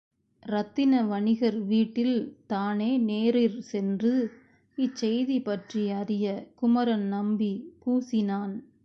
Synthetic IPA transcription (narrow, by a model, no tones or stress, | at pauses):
ɾɐt̪ːɪnɐʋɐɳɪɣɐɾʋiːʈːɪlt̪aːneːneːɾɪɾsɛndrɯ | ɪt͡ʃːɛjðipɐʈrijɐɾɪjɐkʊmɐɾɐnnɐmbipuːsɪnaːn